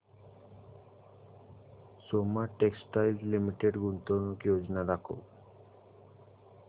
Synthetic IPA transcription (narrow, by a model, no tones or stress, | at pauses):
somaʈeksʈajld͡ʑlimiʈeɖɡunt̪onokiod͡ʑnad̪akʰo̰